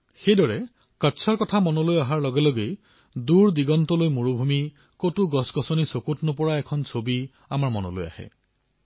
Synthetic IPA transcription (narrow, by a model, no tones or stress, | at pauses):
xejdɔɹɛ | katsʰɔɹkɔtʰamɔnɔlojaɦaɹlɔɡɛloɡej | duɹdiɡɔntɔlojmuɹubʱumi | kotuɡɔsɡɔsɔnisokutnʊpɔɹaɛkʰɔnsʰobi | amaɹmɔnɔ̰lo̰ja̰hɛ̰